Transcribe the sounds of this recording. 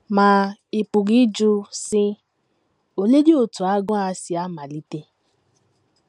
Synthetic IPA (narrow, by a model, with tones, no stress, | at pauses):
mãː˨˦i˨pu˨ɾi˨˦d͡ʒu˧sĩ˧ | o˨le˦di˦o˨tu˨a˨˦ɡɔ̃˦a˧si˧a˨˦ma˨li˨˦te˧